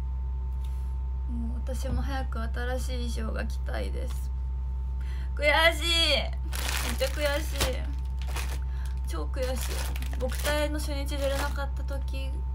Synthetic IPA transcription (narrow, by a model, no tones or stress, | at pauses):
moːat̪aɕimo̞ɦajakɯ̟at̪aɾaɕiːɕo̞ːɡa̰kʲi̥t̪aḭd̪e̞̰sɨ̥ | kɯ̟jaɕiː | me̞t͡ɕːakɯ̟jaɕiː | t͡ɕo̞ːkɯ̟jaɕḭː | bo̞kɯ̟̥t̪aino̞ɕõɲ̟ːit͡ɕid̪eɾenakat̪ːat̪o̞kʲi